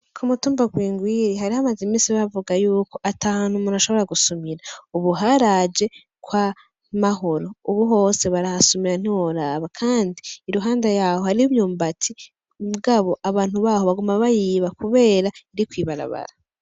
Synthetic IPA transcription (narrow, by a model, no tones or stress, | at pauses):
kʰumutuːmbaɡwiːŋɡwiɾiɦaɾihamazimisiβavuɡajuːko̞ʔataːanhumunaʃo̞βo̞ɾaɡusumiɾauβuɦaːɾad͡ʒe̞ | kwa | maɦo̞ɾo̞uβuɦo̞ːse̞βaɾahasumiɾan̥iwoɾaːβakʰaːndiːɾuɦaːndajaːho̞haɾiuβjuːmbatʰi | muɡaβo̞ʔaβaːn̥huβaːho̞βaɡumaβajiːβakuβe̞ːɾaiɾikwiːβaɾa̰βa̰ɾa